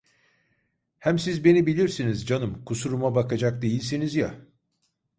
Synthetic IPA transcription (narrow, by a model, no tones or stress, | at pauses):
hæmsizbe̞nibilʲiɾsinizd͡ʒanɯmkʰusuɾumabakʰad͡ʒak̚d̪e̞jilʲsinizja